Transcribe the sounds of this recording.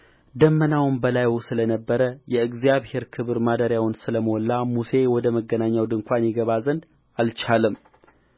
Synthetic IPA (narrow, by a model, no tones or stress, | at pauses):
d̪əmːənawnbəlajusɨlənəbːəɾəjɛɨɡzijaβhe̞ɾkʰɨβɨɾmad̪əɾjawnsɨləməwɔlːamuse̞wɔd̪əməɡːənaɲːawd̪ɨŋkʷʰanjɛɡəβazənd̪ | alt͡ʃʰalɨm